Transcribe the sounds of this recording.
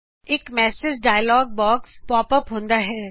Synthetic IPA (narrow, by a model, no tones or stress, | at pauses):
ɪkmɛːsɪzɖaːjlɔːɡ̚bɔːkspɔːpəpɦõːnd̪aɦɛː